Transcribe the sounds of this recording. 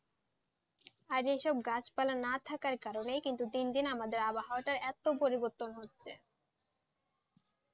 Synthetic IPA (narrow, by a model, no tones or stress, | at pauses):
aɾeʃɔb̚ɡat͡ɕpalanat̪ʰakaɾkaɾonejkint̪ud̪ind̪inamad̪eɾabaɦaaʈaɾɛt̪opoɾiboɾt̪ːonɦotːɕʰe